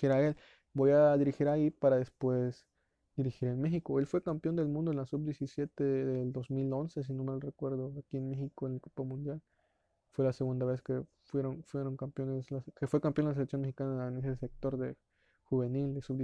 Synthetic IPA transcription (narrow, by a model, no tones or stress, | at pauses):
iɾael | bojaðiɾixiɾaipaɾaðespwes | d̪̥iɾixiɾenmexikoe̞lfwe̞kampjo̞nd̪e̞lmũnd̪oenlasubd̪jesisjet̪eðeld̪ozmilonses̬ino̞melorekwe̞ɾðoakienmexikoenlakopamũnd̪jal | fwe̞laseɣund̪aβeske | fweɾonfweɾoŋkampjonezlaskefwekampjonlas̬eleksjonmexikanaenesesek̚t̪o̞ɾðe | xuβenild̪esuβ